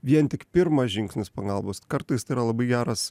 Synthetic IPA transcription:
ʋʲiɛnt̪ʲɪkpʲɪɾmɐsʒʲɪŋʲksʲnʲɪspɐɡɐlˠboːskɐɾt̪ɐɪst̪iːɾɐlˠɐbɐɪɡʲæːɾɐs

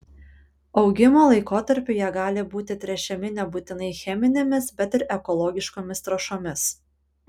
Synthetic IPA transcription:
ɒʊɡʲɪmoːlˠɐɪkoːt̪ɐɾʲpʲʊjɛɡɑːlʲɪbuːt̪ʲɪt̪ʲɾʲɛt͡ʃʲɛmʲɪnʲɛbuːt̪ʲɪnɐɪxʲɛmʲɪnʲemʲɪsbʲɛt̪ɪɾʔɛkɔlˠɔɡʲɪʃkoːmʲɪst̪ɾɐʃoːmʲɪs

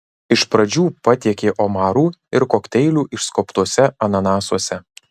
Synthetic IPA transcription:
ɪʃpɾɐd͡ʒʲuːpɐt̪ʲiɛkʲeːʔomɑːɾuːɪɾkoːkʲt̪ʲɛɪlʲuːʔɪʃskopt̪uɔsʲɛɐnɐnɑːsuɔsʲɛ

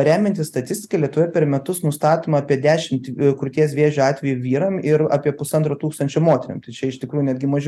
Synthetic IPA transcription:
ɾʲæːmʲɛnʲt̪ʲɪsst̪ɐt̪ʲɪsʲt̪ʲɪ̥kɐlʲiɛt̪ʊʋʲɛpʲɛɾmʲɛt̪ʊsnʊst̪ɑːt̪oːmɐːpʲiɛd̪ʲæːʃʲɪmt̪kɾʊt̪ʲiɛs̬ʋʲeːʒʲʊɑːt̪ʲʋʲɛjuʋʲiːɾɐmɪɾɑ̰ːpʲiɛpʊsɐnt̪ɾoːt̪uːkst̪ɐnʲt͡ʃʲomoːt̪ʲɛɾʲɪ̰mt̪ɐɪt͡ʃʲɛɪʃt̪ʲɪkɾuːjʊnʲɛd̪ʲɡʲɪmɐʒʲɛ

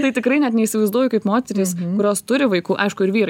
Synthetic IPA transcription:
t̪ɐɪt̪ʲɪkɾɐɪnʲɛt̪nʲɛisʲɪʋɐɪzd̪uɔjʊkɐɪpmoːt̪ʲɛɾʲeːskʊɾʲoːst̪ʊɾʲɪʋɐɪkuːʔɐɪʃkʊɪɾʋʲiːɾɐ

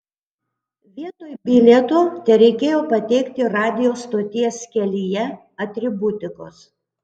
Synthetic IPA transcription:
ʋʲiɛt̪oːjbʲɪlʲɛt̪oːt̪ʲɛɾʲɛɪkʲeːjoːpɐt̪ʲɛɪkt̪ʲɪɾɑːd̪ʲɪjoːst̪oːt̪ʲiɛsʲkʲɛlʲijɛ | ɐt̪ʲɾʲɪbʊt̪ʲɪko̰ːs

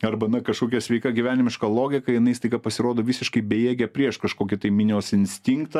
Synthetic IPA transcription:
ɐɾbɐnɐkɐʃkoːkʲɛsʲʋʲɛɪkɐɡʲiʋʲæːnʲɪmʲɪʃkɐlˠoːɡʲɪkɐjɪnɐɪst̪ɐɪɡɐpɐsʲɪɾoːd̪oːʋʲiːsʲɪʃkɐɪbʲeːjeːɡʲɛpʲɾʲiɛʃkɐʃkoːkʲɪt̪ɐɪmʲɪnʲɪoːsɪnʲsʲt̪ʲɪŋkt̪ɐ

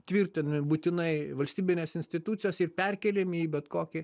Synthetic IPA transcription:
t̪ʲʋʲiɾʲt̪ʲɪnɐmʲɪbuːt̪ʲɪnɐɪʋɐlʲsʲt̪ʲiːbʲɪnʲeːsɪnʲsʲt̪ʲɪt̪uːt̪sʲɪjoːsɪrpʲɛrʲkʲɛːlʲemiːbʲɛt̪koːkʲɪ

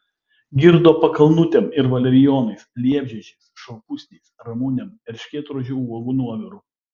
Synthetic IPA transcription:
ɡʲɪɾd̪oːpɐkɐlˠnʊt̪ʲɛmɪɾʋɐlʲɛɾʲɪjɔːnɐɪslʲiɛbʲʒʲɛt͡ʃʲɛɪsʃɐʊkʊsʲnʲeɪsɾɐmuːnʲɛmɛɾʲʃʲkʲeːt̪ɾoʒʲɛuɔɡuːnuɔʋʲɪɾʊː

